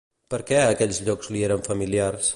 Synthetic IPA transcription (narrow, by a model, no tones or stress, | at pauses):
pəɾkɛəkɛʎzʎɔkzlieɾəɱfəmiliars